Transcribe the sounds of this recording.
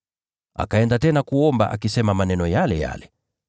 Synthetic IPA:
a̰kaɛndatɛnakuɔmba̰ʔa̰kisɛmamanɛnɔjalɛja̰lɛ

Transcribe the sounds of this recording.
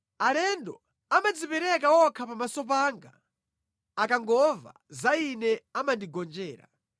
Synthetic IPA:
alɛndɔ | amad͡zipɛɾɛkawɔkʰapamasɔp̬aːŋɡa | akaŋɡɔva̰ | zainɛamandiɡɔnd͡ʒɛːɾa̰

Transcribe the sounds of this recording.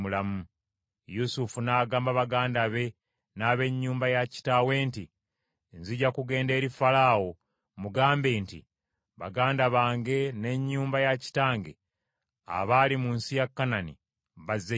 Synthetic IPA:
ulamu | jusufunaːɡaːmbaβaɡaːndaβe̞ | naːβe̞ɲːuːmbajaci̥tawe̞ːnti | nziɟakuɡe̞ːnde̞ːɾifalawo | muɡaːmbe̞ːntḭ | βaɡaːndaβaːŋɡe̞ne̞ɲːuːmbajaci̥taːŋɡe̞̰ | a̰βaːlimuːnsijakːananḭ | βazːe

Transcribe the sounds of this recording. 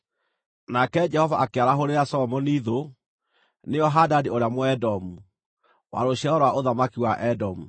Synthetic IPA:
nakɛd͡ʒɛhɔvaʔakeaɾaɦoɾeasɔmɔniːðo | neɔɦadadioɾeamoɛdɔmu | wa̰ɾoɕɛɔɾwaʔoðamakiwaʔɛdɔmu

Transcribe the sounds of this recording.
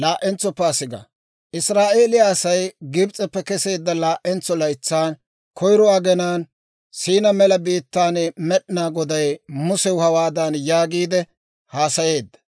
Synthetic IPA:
laːʔɛnt͡sːɔpːɛːsɪɡɐ̰ | ʔɪsɾaːʔe̞ːlɪjaːsɐjɡɪbt͡sʼɛpːɛkɛse̞ːd̪ːɐlaːʔɛnt͡sːɔlɐjt͡sːaːn | kʰɔjɾɔaɡɛnaːn | siːnɐmɛlɐbiːt̪ːaːnmɛɗɪnaːɡɔd̪ɐjmʊsɛwhɐwaːd̪anjaːɡiːd̪ɛ | haːsɐje̞ːd̪ːɐ̥

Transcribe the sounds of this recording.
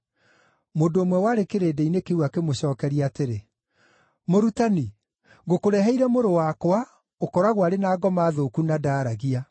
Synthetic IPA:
modoːmwɛwaːɾekeɾeːdɛinekeuakemoɕɔːkɛɾiaːteɾe | moɾutani | ɣokoɾɛɦɛiɾɛmoɾowakwa | okɔɾaɣwaɾenaːɡɔmaːðoːkunadaːɾaɣia

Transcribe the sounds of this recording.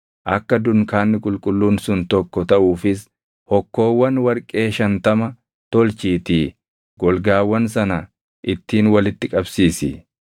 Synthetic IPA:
ʔɐkːɐd̪ʊnkaːnːɪkʼʊlkʼʊlːuːnsʊnt̪ɔkːɔt̪ɐʔuːfɪs | hɔkːo̞ːwːɐnwɐɾkʼe̞ːʃɐnt̪ɐmɐ | t̪ɔlt͡ʃiːt̪iː | ɡ̥ɔlɡaːwːɐnsɐnɐ | ʔɪt̪ːiːnwɐlɪt̪ːɪkʼɐbsiːsɪ̰

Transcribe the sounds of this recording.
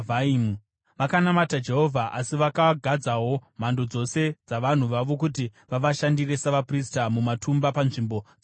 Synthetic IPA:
vaimu | ʋakanamatad͡ʒe̞ɦo̞vʱaʔasiʋakaɡʱad͡zaɦo̞m̤ando̞d͡zo̞se̞d͡zaʋan̤uʋaʋo̞k̬ut̬iʋaʋaʃandire̞saʋapristamumatumbapanʐimbo̞d͡z

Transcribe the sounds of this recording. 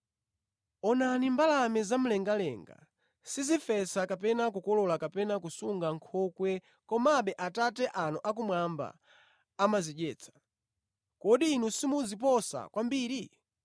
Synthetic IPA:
ɔnanimbalamɛzam̩lɛŋɡalɛ̰ŋɡa̰ | sizifɛsakap̬ɛnak̬ukɔlɔlakapɛnakusuŋɡaŋkʰɔkwɛ | kɔmaɓɛʔatatɛʔanɔʔak̬umwamba̰ː | maziɗɛːt͡sʰḁ | kɔɗiːnusimuzip̬ɔsa̰kwambiːɾi

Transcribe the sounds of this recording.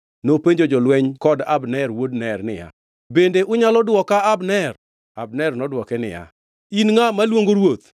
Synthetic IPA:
nopeɲd͡ʒod͡ʒɔlwɛɲkɔdabnɛrwodnɛrnɪ̰ja̰ | bendeʔʊɲalɔdwɔkaabnɛr | ab̚nɛrnɔdwɔkɛnɪ̰ja̰ | inŋamalwoŋɡoɾwot̪

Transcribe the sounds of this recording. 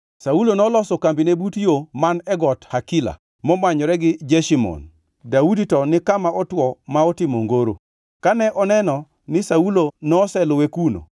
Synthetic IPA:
saulonɔlɔsɔkambinebutjomanɛɡɔthakila̰ | mɔmwaɲɔɾɛɡɪd͡ʒɛʃimɔ̰n | dauditɔnɪkamaɔtwɔmaɔtɪmo̰ŋɡoɾo̰ | kanɛʔɔnɛnɔ | nɪsaulonɔːsɛlɔwekuno̰

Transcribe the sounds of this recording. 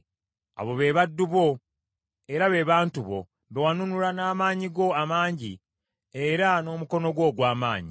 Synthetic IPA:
a̰βo̞βe̞ːβadːuβo̞ | eɾaβe̞ːβaːntuβo̞̰ | βewanunulanaːmaːɲiɡo̞amaːɲɟḭ | eɾano̞ːmuko̞no̞ɡwo̞ːɡwaːma̰ːɲi

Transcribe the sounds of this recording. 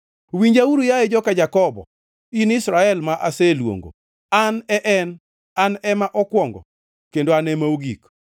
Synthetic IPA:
wiɲd͡ʒawuɾujaed͡ʒɔkad͡ʒakɔbɔ̰ | inɪsɾaɛlmaʔaselwo̰ŋɡo̰ | anɛʔɛn | anɛmaʔɔkwɔŋɡɔ̰ | kendoanɛmaoɡik

